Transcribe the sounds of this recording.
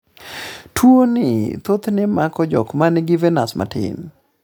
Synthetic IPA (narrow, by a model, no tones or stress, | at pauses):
tʰwonɪt̪ot̪nɪmakɔd͡ʒɔ̰kmanɪɡɪvɛnasmʔa̰tɪ̰n